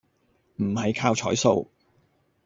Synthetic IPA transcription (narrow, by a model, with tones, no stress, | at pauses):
m̩˨˩hɐ˨jkʰaː˧wt͡ʃʰɔː˨˥jso˧w